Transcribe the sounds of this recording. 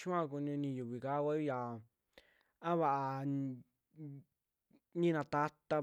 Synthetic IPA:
t͡ʃũ˦ã˧ku˧nũ˧nĩ˧ju˨βi˨ka˦˧wʷa˦i˦ja˨ | ã˦βa˧˨ʔa˧ | nĩ˦˧nã˧t̪a˧t̪a˧

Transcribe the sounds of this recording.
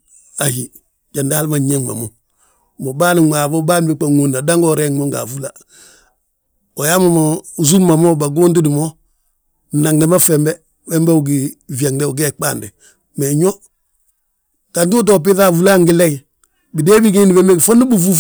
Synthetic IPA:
a˨hi˨ | ɟa˨nda˦lma˨ɲe˦ŋma̰˨mo˨ | mo˨baː˦ni˨ŋʷa˨bo˦ba˦n˦bi˦k͡pa˨ŋo˨na˨da˦ŋɡɔ˦˨ɾe˦ŋo˦ŋɡa̰˨fu˦la˨ | o˨ja˦ma˨mo˨u˨zu˦mmːa˨mo˦ba˨ɡuː˦nt̬i˦di˨mo˦˨ | na˨ŋde˨˦ma˦fɛ˨mbɛ˦ | bɛ˦mbe˦u˨ɡi˨vi˨a˨ŋde˦u˨ɡe˦k͡pa̰˦˨nde˨ | me˨ɲo˦ | ka˨nt̬u˦t̬o˨p̬i˦θa˦˨vu˦la˦ŋɡi˦lɛ˦ | bi˨de˦bi˦ɡi˦ni˨bɛ˦mbe˦ɡi˨fo˦nu˦bu˦fu˦

